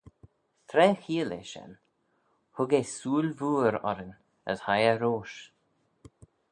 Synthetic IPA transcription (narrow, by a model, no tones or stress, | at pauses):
t̪ʰɾɛːxiːlḛʃɛ̰n | hʊɡesuːlvuːɾɔ̰ɾən | ə̰shajəɾoːʃ